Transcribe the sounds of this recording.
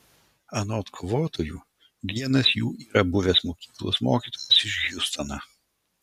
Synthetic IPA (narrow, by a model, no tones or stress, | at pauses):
ɐnoːt̪kʰoːʋoːt̪oːjuː | ʋʲiɛnɐsjṵːʔiːɾɐbʊʋʲeːsmoːkʲiːklˠo̰ːsmo̰ːkʲiːt̪oːjɛsɪʃɡʲʊst̪ɐnɑ